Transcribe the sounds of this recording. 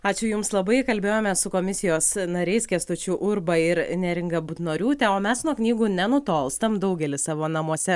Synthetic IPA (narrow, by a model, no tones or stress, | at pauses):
ɑːt͡ʃʲʊjʊmslˠɐbɐɪkɐlʲbʲeːjoːmʲɛsʊkoːmʲɪsʲɪjoːsnɐɾʲɛɪskʲɛst̪ʊt͡ʃʲuʔʊɾbɐɪɾnʲɛɾʲɪŋɡɐbuːt̪noːɾʲuːt̪ʲɛoːmʲɛsnuɔknʲiːɡuːnʲɛnʊt̪oːlˠst̪ɐmd̪ɐʊɡʲɛlʲɪsɑːʋoːnɐmuɔsʲɛ